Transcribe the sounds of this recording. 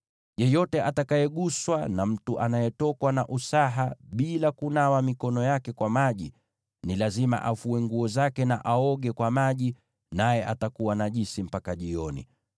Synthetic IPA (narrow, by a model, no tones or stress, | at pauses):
jɛjɔtɛʔatakajɛɠuswa̰nam̩tuʔanajɛtɔkwanaʔusaɦaɓilakunawamikɔnɔjakɛkwamaʄi | nilazima̰ʔafuɛŋɡuɔzakɛnaʔaɔɠɛkwamaʄi | najɛʔatakuwanaʄisim̩pakaʄiɔnḭ